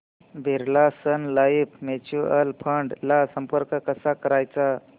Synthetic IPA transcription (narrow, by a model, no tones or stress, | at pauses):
bʱeɾlasənlaipʰmet͡ɕuəlpʰəɳɖlasəmpəɾkkəsakəɾajt͡sa